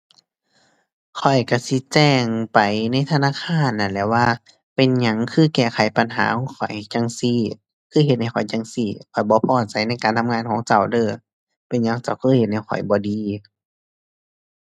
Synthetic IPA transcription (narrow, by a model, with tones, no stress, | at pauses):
kʰɔ˨˩jka˧˩si˧˦t͡ɕɛː˧˩ŋpa˨jna˧˥˨jt̪ʰa˧naː˧˥˨kʰaː˧˥˨nːa˧˩lɛː˧˩waː˧˨ | pe˨nɲa˧˥ŋkʰɯː˧˨kɛː˧˩xʰa˨˦jpa˨nɦa̰ː˨˦kʰɔː˧˥˦kʰɔ˨˩jht͡ɕa˧ŋsi˧˩ | kʰɯː˧˥˨ɦe˧t̪̚ha˧˩jkʰɔ˨˩jt͡ɕa˧ŋsiː˧˩kʰɔ˨˩jbɔː˧˦pʰɔː˧˩t͡ɕa˨˦jna˧˥˨jkaː˨nt̪ʰa˧mŋaː˧˥˨nkʰɔː˨˦ŋt͡ɕa˧˩wdɤː˧˨ | pe˨nɲa˧˥˨ŋt͡ɕa˧˩wkʰɤː˧˥˨he˧t̪̚ha˧˩jkʰɔ̰˨˩jbɔː˧˦diː˨˧˦